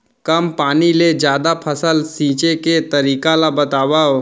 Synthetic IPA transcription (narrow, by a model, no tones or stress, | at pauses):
kɐmpaːniled͡ʒjaːd̪apʰəsəlsĩːt͡ʃeket̪ɐɾiːkalabɐt̪aːʋao